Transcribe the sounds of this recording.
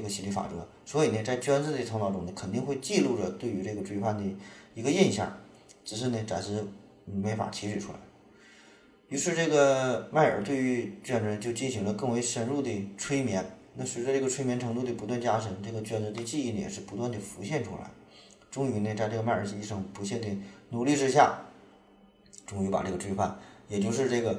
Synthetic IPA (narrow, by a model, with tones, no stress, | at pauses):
ʈ͡ʂə˥˧˩ɡə˩t͡ɕʰi˧˥li˧˩fa̰˨˩ʈ͡ʂɤ̰˧˥ | swɔ˧˥i˨˩nə˧t͡sa˥˩ɪt͡ɕɥɛ˥nt͡sɹ̩˥˧d̪ə˩t͡sʰnɑ˧˥ʊʈ͡ʂʊ˥ŋnə˧kʰə˨˩nt̪i˥˧ŋxwe˥˧ɪt͡ɕi˥˧lu˥˩ʈ͡ʂə˩t̪we˥˩ɪy˧˥ʈ͡ʂɤ˥˩ɡə˩ʈ͡ʂwe˥˧fʰa˥˩nd̪ə˩i˧˥ɡə˧i˥˧nɕjɑ̰˥˩ŋ | ʈ͡ʂɻ̩˨˩ʂ̬ɻ̩˥˩nə˩ʈ͡ʂa̰˨˩nʂɻ̩˥˧ | me˧˥ɪfa̰˨˩t͡ɕ̪ʰi˧˥ʂɻ̩y˨˩ʈ͡ʂʰu˥la̰˧˥ɪ | y˧˥ʂɻ̩˥˧ʈ͡ʂɤ˥˩ɡə˩ma˥˩ɪə̰˞˨˩t̪̬we˥˩ɪy˧˥ɥnə˧t͡ɕjo˥˧ʊt͡ɕi˥˩nɕi˧˥ŋlə˧kɤ˥˩ŋwe˧˥ɪʂə˥nɻu˥˩d̪ə˩ʈ͡ʂʰwe˥ɪmjɛ˧˥nna˥˩swe˧˥ɪʈ͡ʂə˧ʈ͡ʂɤ˥˩ɡə˩ʈ͡ʂʰwe˥ɪmjɛ˧˥nʈ͡ʂʰɤ˧˥ŋt̪u˥˩d̪ə˩pu˧˥t̪wa˥˩nt͡ɕja˥ʂə˧˥nʈ͡ʂɤ˥˩ɡə˩t͡ɕɥɛ˥nt͡sə˧˥d̪ə˧t͡ɕi˥˧˥n˧˩jɛ̰˨˩ʂɻ̩˥˩pu˧˥t̪wa˥˩nd̪ə˩fu˧˥ɕjɛ˥˩nʈ͡ʂʰṵ˥la̰˧˥ɪ | ʈ͡ʂʊ˥ŋy˧˥ne˧t͡sa˥˧ʈ͡ʂɤ˥˩ɡə˧ma˥˩ɪə˞˨˩t͡ɕi˥˩ʂɤ˧˥˩ŋpu˧˥ɕjɛ˥˩nd̪ə˩nu˨˩li˥˩ʈ͡ʂɻ̩˥ɕ̬ja̰˥˩ | ʈ͡ʂʊ˥ŋy˧˥pa̰˨˩ʈ͡ʂɤ˥˩ɡə˩ʈ͡ʂʰwe˥˧fʰa̰˥˩njɛ˨˩t͡ɕjo˥˧ʊʂ̬ɻ̩˥˧ʈ͡ʂɤ˥˩ɡə˩